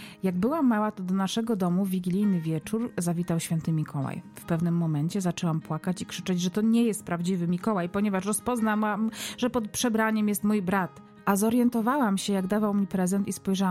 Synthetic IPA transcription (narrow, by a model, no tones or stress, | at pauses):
jaɡbɘwamawat̪ɔd̪ɔnaʂɛɡɔd̪ɔmuvʲiɡʲilʲijnɘvʲjɛt͡ʂuɾzavʲit̪awɕfʲɛnt̪ɘmʲikʰɔwa̰jfpɛvnɘmːɔmɛnt͡ɕɛzat͡ʂɛwampwakat͡ɕikʂɘt͡ʂɛd͡ʑʐɛt̪ɔɲɛjɛst̪̚pɾavd͡ʑivɘmʲikɔwajpɔɲɛvaʂɾɔspɔznaamʐɛpɔt̪̚pʂɛbɾaɲɛmjɛst̪mujbɾat̪ | ʔazɔɾjɛnt̪ɔvawamɕɛjaɡd̪avawmʲipɾɛzɛnt̪ispɔjʐawa